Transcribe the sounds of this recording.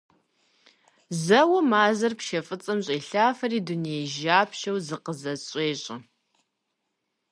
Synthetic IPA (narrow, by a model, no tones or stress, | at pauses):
zɐwɐmaːzɐrpʃɐfʼɨt͡sʼɐmɕʼeːɬaːfɐriːdunejʒaːpʰʃɐwzɨqəzɐɕʼeːɕʼɐ